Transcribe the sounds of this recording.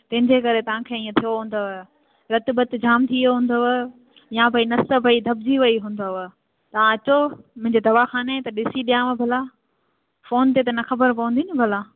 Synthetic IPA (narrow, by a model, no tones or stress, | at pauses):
t̪ɐ̃ɦɪ̃ɲd͡ʑekɐɾet̪ɐʋ̤ãkʰeːĩːẽt̪ʰijoɦũːn̆d̪oʋe | ɾɐt̪ɪbɐt̪ɪd͡ʑʱaːmt̪ʰijoɦũːn̆d̪oʋe | jãbɐinɐsəbʱɐid̪ʱɐb̚d͡ʑiʋɐiɦũːn̆d̪oʋe | t̪ɐʋãɐt͡ɕomʊ̃ɦɪ̃ɲd͡ʑeːd̪ɐʋaxaːnet̪ɐɗɪsiɗijãmẽbʱɐla | foːnt̪et̪ɐnɐxɐbəɾpɐʋə̃n̆d̪inɪbʱɐla